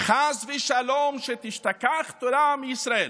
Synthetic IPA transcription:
χasveʃalomʃet̪iʃt̪akaχt̪oɾamijisɾael

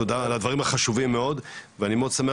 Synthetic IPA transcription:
od̪aːlad̪vaʁimaχaʃuvimːeo̞d̪veanimeod̪samea

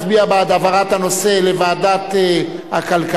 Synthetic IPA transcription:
tbiabad̪avaʁat̪anoselevaːd̪at̪ | a̰kalka

